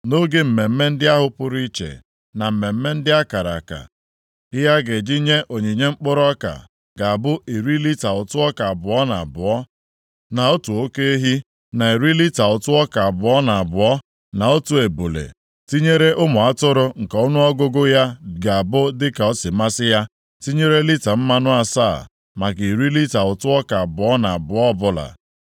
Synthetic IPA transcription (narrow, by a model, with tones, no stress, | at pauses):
no˦ɡe˦m̩˨me˨m̩˦me˦n̩˦dɪ˦a˦ɦʊ˦pʊ˦ɾi˦t͡ʃḛ˨ | na˨m̩˨me˨m̩˦me˦n̩˦dɪ˦a˦ka˨ɾa̰˨ka̰˨ | ɪ˦ja˦ɡe˨d͡ʒi˦ɲe˦ʔo˨ɲe˨ɲe˦ŋ͡m̩˦k͡pʊ˦ɾɔ˦ka̰˨ | ɡa˨a˨bʊ˦e˨ɾi˦li˦ta˨ʊ˨tʊ˦ɔ˦ka˨a˨bʊ˨ɔ˦na̰˨a˨bʊ˨ɔ˦ | na˨o˦tu˨o˦ke˦e˦ɦi˦ | na˨e˨ɾi˦li˦ta˨ʊ˨tʊ˦ɔ˦ka˨a˨bʊ˨ɔ˦na˨a˨bʊ˨ɔ˦ | na˨o˦tu˨e˨bu˨lḛ˨ | ti˦ɲe˦ɾe˦ʔʊ˦mʊ˨a˦tʊ˦ɾʊ˦ŋ̩˨ka˨ʊ˦nʊ˦ɔ˦ɡʊ˦ɡʊ˦ja˦ɡa˨a˨bʊ˦dɪ˦ka˨ɔ˦sɪ˨ma˦sɪ˦ja˦ | ti˦ɲe˦ɾe˦li˦ta˨m̩˦ma˦nʊ˦a˨sa̰ː˦˨ | ma˨ɡi˨ɾi˦li˦ta˨ʊ˨tʊ˦ɔ˦ka˨a˨bʊ˨ɔ˦na˨a˨bʊ˨ɔ˦˨˦bʊ˦la̰˨